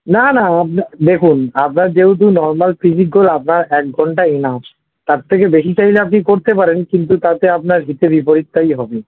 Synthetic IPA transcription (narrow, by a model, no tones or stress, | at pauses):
nanaap̚nad̪ekʰunap̚naɾd͡ʑewd̪̬unɔɾmalpʰid͡ʑik̚ɡolap̚naɾɛk̚ɡʱɔɳʈaena | t̪aɾt̪ʰːekebeʃit͡ɕajleap̬nikoɾt̪epaɾenkint̪ut̪at̪eap̚naɾɦit̪ebipoɾit̪ːajɦɔbe